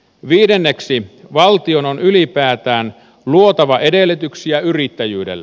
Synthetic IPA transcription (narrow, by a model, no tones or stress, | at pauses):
ʋiːdenːeksiʋɑlt̪iononylipæːt̪æːn | luot̪ɑʋɑʔedelːet̪yksijæyrit̪ːæjyːdḛlː